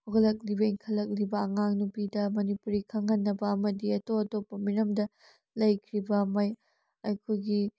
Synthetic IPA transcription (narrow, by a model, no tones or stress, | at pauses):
hoɡɐlɐk̚libɐiŋkʰɐlːɐk̚libɐɐŋaŋnupidɐmɐnipuɾikʰɐŋɐnːɐbɐːmɐdiɐtoɐtopːɐmiɾɐmdɐ | lɐjkʰɾibɐmɐj | ɐjkʰojɡi